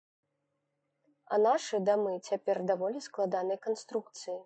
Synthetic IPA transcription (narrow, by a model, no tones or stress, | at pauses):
ɐ̰naʂɨd̪amɨt͡sʲapʲɛrd̪avɔlʲisklˠad̪anɐjkanst̪ɾukt̪sɨji